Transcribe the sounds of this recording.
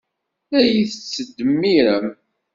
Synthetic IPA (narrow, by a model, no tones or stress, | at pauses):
æjiθət͡sːəd̪əmːiɾəm